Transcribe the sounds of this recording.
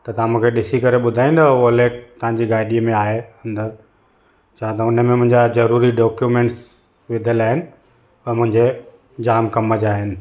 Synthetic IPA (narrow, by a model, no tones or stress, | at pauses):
t̪ɐt̪ɐʋ̤ãmũːkʰeɗɪsikɐɾeɓʊd̪ʱaːĩnd̪oʋoleːʈ̚t̪ːɐʋ̤ãɲd͡ʑiɡaːɪɗiəmẽaːɦeɐ̃nd̪əɾ | t͡ɕʰaːãt̪ɐʊnəmẽmʊ̃ɦɪ̃ɲd͡ʑazɐɾuːɾiɖɔːkjumẽːɳʈs | ʋɪd̪ʱəlaːɦɪnɪ̆ | pɐmʊ̃ɦɪ̃ɲd͡ʑe | d͡ʑaːmkɐməd͡ʑaːɦɪnɪ̆